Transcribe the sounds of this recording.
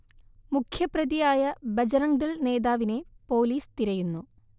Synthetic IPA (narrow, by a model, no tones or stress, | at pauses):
mukʰjɐprɐðijaːjɐbɐd͡ʑɐɾɐŋd̪ɐɭne̞ːðaːʋine̞po̞ːliːst̪iɾɐjunːu